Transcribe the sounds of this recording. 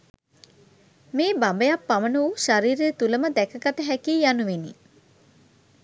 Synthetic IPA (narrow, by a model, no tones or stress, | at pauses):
meːbambejapːamənuuʃaɾiːɾejət̪uləməd̪ækəɡat̪əɦækiːjanuʋeni